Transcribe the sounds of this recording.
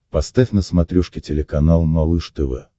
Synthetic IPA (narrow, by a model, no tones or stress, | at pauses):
pɐst̪afʲnəsmɐt̪ɾʲuʂkʲɪtʲɪlʲɪkɐnalˠmɐlˠɨʂt̪ɨvɛ̰